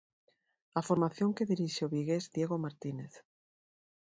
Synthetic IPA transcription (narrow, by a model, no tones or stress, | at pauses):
afoɾmaθjoŋkeðiɾiʃeoβiɣezðjeɣomaɾt̪ineθ